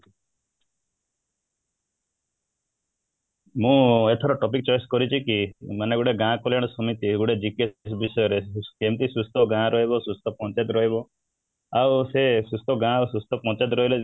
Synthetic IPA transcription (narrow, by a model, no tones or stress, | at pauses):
mũet̪ʰɔɾɔʈɔpik̚t͡ʃɔjɔskɔɾit͡ʃʰikimaneɡuɽeɡãkoljaɽ̃ɔsɔmit̪iɡuɽed͡ʒikes̬bisɔjɔɾekemt̪isust̪ɔɡãɾɔɦibɔsust̪ɔpɔ̃t͡ʃajt̪ɾɔɦibɔ | awsesust̪ʰɔɡãsust̪ʰɔpɔ̃t͡ʃajd̪ɾɔɦile